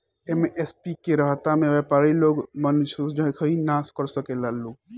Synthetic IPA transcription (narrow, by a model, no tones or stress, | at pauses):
emeʔespikeɾəɦat̪amẽʋepaɾiloɡmənsusd͡ʒəkʰəinaskɔɾsəkelaluɡ